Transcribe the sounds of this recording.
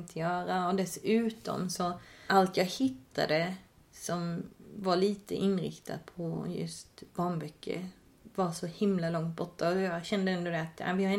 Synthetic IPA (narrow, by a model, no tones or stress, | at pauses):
t̪ʰɔjœːɾaɔd̪ɛsʉ̟ːt̪ɔ̰msɔʔalt̪jɑɡhɪt̪ʰːa̰d̪ə | sɔmvaɭiːt̪ʰə̰ʔɪnɾɪ̰kt̪ʰa̰d̪̚pʰɔjɵ̰st̪bɑːnbœkʰːə̰ | vɑɾsɔhɪmlalɔŋt̪̚bɔʈːaɔjɑɕɛnd̪əɛnd̪ʊd̪ɛat̪a̰ʋɪhaɾɛ